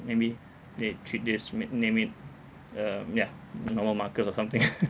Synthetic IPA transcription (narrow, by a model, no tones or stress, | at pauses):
mebi | detʰɹit̚dismnẽmit̚ | ʌjanɔməlmakətsɔsãmt̪ɪ̃ŋ